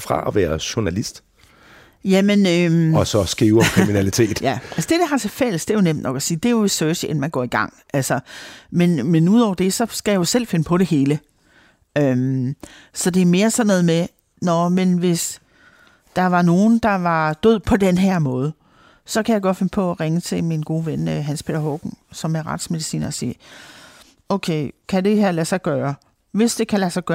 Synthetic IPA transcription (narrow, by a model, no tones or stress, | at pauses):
fʁɑ̈ɒʋæːɐɕonælisd̥ | jæmenømɒsɒsɡ̥iːʊkʰʁiminælit͡sʰe̝̰ːd̥jæʔælsəd̥e̝d̥eɦɑ̈t͡sʰe̝fel̰əsd̥e̝ɐjo̝nem̰d̥̚nɒ̽ɡ̥ɒsiːd̥e̝joesøːseenmænɡ̥ɒ̰ːiɡ̥ɑ̈ŋ̰ʔælsɒmenmenuð̰ˠɒʊ̰ɐd̥e̝sɒ̽sɡ̥æjajo̝sel̰fe̝nəpʰɒ̽ɾ̥e̝he̝ːlə | øm | sɒ̽d̥e̝æme̝ːɐsɒ̽nːɔ̽ːð̞̩ˠme | nɒmenʋe̝s | d̥ɑ̈ʋɑ̈no̝ːn̩d̥ɑ̈ʋɑ̈d̥øð̞̰ˠpʰɒ̽d̥enɦæɐ̰mɔ̽ːð̞ˠə | sɒ̽kʰæjɑɪɡ̥ɒ̽d̥fe̝nəpʰɒ̽ʁeŋət͡sʰe̝minɡ̥o̝ːʋenɦænspʰe̝̰ːɾɐɦɔɡ̥n̩sɒ̽mæʁɑ̈d̥sme̝ð̞ˠisḭːnɐɒsḭː | oʊkʰeɪkʰæd̥e̝ɦæɐ̰læsɑ̈ɪɡ̥ɶːɐ | ʋe̝sd̥e̝kʰælæsɑ̈ɪɡ̥ɶː